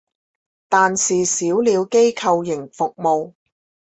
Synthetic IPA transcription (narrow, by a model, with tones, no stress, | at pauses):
t̪aː˨nsiː˨siː˨˥wliː˨˧wke˥jkʰɐ˧wjɪ˨˩ŋfʊ˨k̚mo˨w